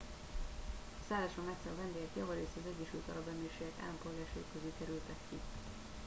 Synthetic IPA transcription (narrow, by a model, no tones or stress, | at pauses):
ɒsaːlaːʃɒmɛt̪sɛlvɛnd̪eːɡɛk̪jɒvɒɾeːsɛɒzɛɟːɛʃylt̪ɒɾɒbɛmːeːʃeːɡɛka̰ːlːɒmpo̞lɡaːrʃejikːøzylkɛɾylt̪ɛkːi